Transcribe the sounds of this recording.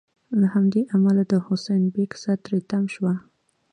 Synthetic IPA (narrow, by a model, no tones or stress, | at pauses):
lahamd̪eʔamalad̪əhʊsajnbeksat̪ɾet̪amʃwa